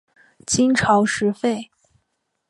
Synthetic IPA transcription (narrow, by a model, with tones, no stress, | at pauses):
t͡ɕi˥nʈ͡ʂʰɑ˧˥ʊʂɻ̩˧˥fe˥˩ɪ